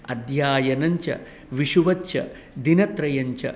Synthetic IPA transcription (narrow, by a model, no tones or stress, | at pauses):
ɐd̪ʱjaːjɐnɐɲt͡ʃɐ̰ | ʋiʂuʋɐt̪ːt͡ʃʰɐ̰ | d̪inɐt̪ɾɐjɐɲt͡ʃɐ̰